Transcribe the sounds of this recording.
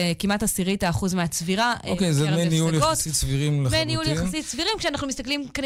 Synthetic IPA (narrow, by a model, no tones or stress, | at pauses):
ekimatasiʁitaːχuzmeat͡sviʁaokejzemenijuljaotsit̪sviʁimlemenijujaχasitsviʁimkʃeanaχnumist̪aklimkani